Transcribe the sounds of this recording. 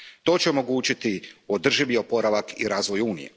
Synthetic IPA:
t̪o̞ːt͡ɕeo̞mo̞ɡuːt͡ɕit̪iod̪r̩ʒiʋio̞po̞ɾaʋakḭɾaːzʋo̞juːnijḛ

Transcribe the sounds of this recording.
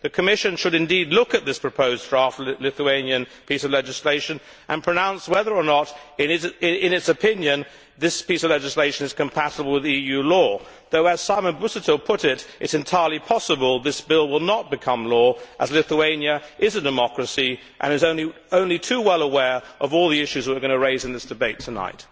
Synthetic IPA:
ðɨkʰɨmɪʃɨ̃nʃɨɾɨ̃ndidˡlʊkɨt̪̚ðɪspʰɹ̥ɨpʰoʊzdɹɑftlɪθuẽɪ̃njɨ̃npisʌvlɛd͡ʒɨsleɪʃɨ̃n | ʔə̃npʰɹ̥ɨnãʊ̃nswɛðə˞ənəɾɨ̃nɨɪɪ̃nɨtsɨpʰɪ̃njɨ̃n | ðɪspisʌvlɛd͡ʒɨsleɪʃɨ̃nɨz̥kɨ̃mpʰæɾəbl̩ˠwɨðijʉlɔ | ðoʊɨz̥saɪmə̃nbʉsɨtʰəlˠpʰʊɾɪɾʔɨtsɨ̃ntʰaɪə˞lˠipʰɑsəbəlˠðɪsb̥ɪlˠwɪlˠnət̚b̥ɨkʰʌ̃mlɔʔəzlɪθuẽɪ̃njɨʔɪzɨdɨmɑkɹɨsi | ʔɨ̰̃ñɨzõʊ̃nli | õʊ̃nlitʰʉwɛlˠəwɛɹʔʌvɔlˠðiɪʃʉzwə˞ɡʌñɨɹeɪzɨ̃nðɪsd̥ɨbeɪtʰɨna̰ɪt̚

